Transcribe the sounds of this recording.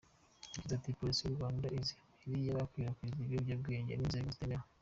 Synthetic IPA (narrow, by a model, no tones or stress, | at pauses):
iɟizatipo̞ɾisijuɾwaːndaizi | iɾijaβakwiɾakwiziβobjab̚ɡe̞ːɲɟḛnizeiɡuzitema